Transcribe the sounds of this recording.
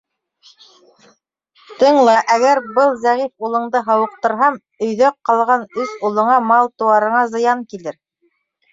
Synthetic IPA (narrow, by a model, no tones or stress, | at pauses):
t̪ɤ̆ɴlˠɑʔæɡæɾbɤlˠzæʁifulˠɤ̆ɴd̪ɤɦɑwɤ̆q̚t̪ɤ̆ɾɦɑm | ɵ̆jðœqːɑlˠʁɑnɵsulˠɤ̆ɴɑmɑlˠt̪ŭwɑɾɤ̆ɴɑzɤ̆jɑŋkilɘɾ